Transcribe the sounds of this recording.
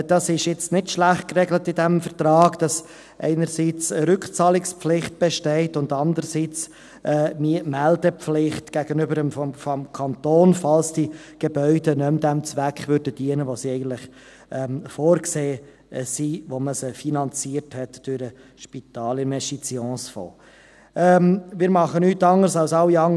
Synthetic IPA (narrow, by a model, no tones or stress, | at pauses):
d̥ɑsɪʃjɪt͡stnɪtʃlæχt̚krɛɡlətɪdæmfəɾt̪ɾɑːɡ̥d̥ɑs | ʔɛ̰ɪnəɾsiːt͡səɾʏkχt͡sɑːlɪkspflɪχt̚b̥ɛʃtɛɪtʊndɑndəɾsiːt͡s | ʔɛːmiəmældəpflɪχtɡ̥æɡənʏbəɾəmfɔmfɔmkʰɑntoːnfɑlsd̥iɡ̥ebœʏdənœmd̪ɛmt͡sʋækχʋʏɾdəd̥iənəʋosiɛɪɡən̩tlɪχ | ɛfoːɾkseː | siʋoməsəfinɑnt͡siəɾthɛtd̥ʊɾə | ʃpit̪ɑːlɪnmɛʃit͡siɔ̃ːsfo̰ː | ɛmmɪːɾmɑχənyːtːɑŋːəsɑlsɑwiɑŋ